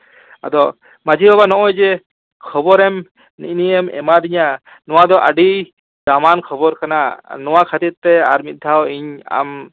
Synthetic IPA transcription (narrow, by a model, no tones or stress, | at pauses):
a̰d̪ɔ | mad͡ʒiɔbanɔʔɔjd͡ʒɛ | kʰɔbɔɾɛm | nḭniɛmɛ̰mad̪iɲa | nɔwad̪ɔʔaɖij | d͡ʒamankʰɔbɔɾkananɔwakʰat̪iɾ̚t̪ɛa̰ɾmit̪̚d̪ʱawiɲa̰m